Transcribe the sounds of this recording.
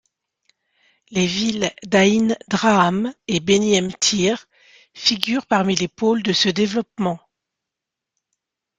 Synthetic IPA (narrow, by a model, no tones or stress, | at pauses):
levild̪aind̪ʁaːmebeniɛmt̪ʰiʁ | fiɡʲyʁpaʁmilepold̪əsəd̪evlɔp̚mɑ̃